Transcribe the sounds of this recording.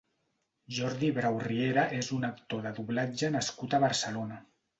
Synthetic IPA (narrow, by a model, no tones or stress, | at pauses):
ʒɔɾðiβɾawrieɾaʔezunəkt̪oðəðuβlad͡ʒənaskut̪aβəɾsəlona